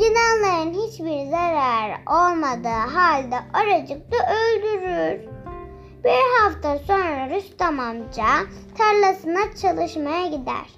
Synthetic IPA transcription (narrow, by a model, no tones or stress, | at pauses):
ɟinalˠajɯnɦit͡ʃbiɾzaɾaɾo̞lˠmad̪ɯːɦalʲd̪ɛʔaɾad͡ʒɯk̚d̪aʔølʲd̪yɾyɾ | b̥iɾɦaft̪ʰaso̞nɾaɾyst̪amamd͡ʒa | t̪ʰaɾlˠasɯnat͡ʃʰalˠɯʃmajaɟid̪æ̰ɾ̥